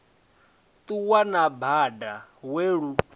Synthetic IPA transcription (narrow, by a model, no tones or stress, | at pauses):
t̪uwanabadaweɺu